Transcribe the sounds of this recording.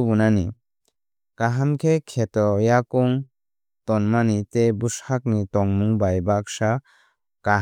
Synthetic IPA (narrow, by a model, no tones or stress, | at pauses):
bunani | kaɦamkʰekʰet̪ɔjakɔŋ | t̪ɔnmanit̪ebushak̚nitɔŋmuŋbajbak̚sa | ka